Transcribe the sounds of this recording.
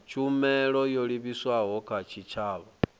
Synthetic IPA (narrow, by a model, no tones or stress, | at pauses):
t͡ʃumelojoliβiswaɣokat͡ʃit͡ʃaːβa